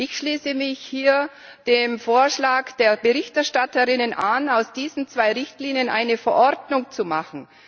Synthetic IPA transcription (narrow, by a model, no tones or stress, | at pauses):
ʔɪçʃliːsəmɪçhiːɐ | d̥eːmfoːɐʃlaːkd̥eːɐbəʁɪçtɛɐʃtatəʁɪnənʔanaʊsd̥iːzn̩t͡sv̥aɪʁɪçtliːnjənʔa̰ɪnəfɛɐʔɔɐdnʊŋt͡sumaχn̩